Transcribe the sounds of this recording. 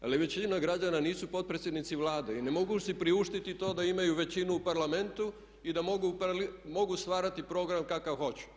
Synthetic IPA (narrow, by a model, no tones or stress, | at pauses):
a̰liʋe̞t͡ɕinaɡɾad͡ʒananiːsupo̞t̪̚pɾet̪sʲjed̪nit̪siʋlaːd̪eine̞mo̞ɡusipɾiuʃt̪it̪it̪o̞ːd̪aimajuʋe̞t͡ɕinuːpaɾlame̞nt̪u | id̪amoɡupalimo̞ɡust̪ʋaːɾat̪ipɾo̞ːɡɾamkakaʋxo̞t͡ɕu̥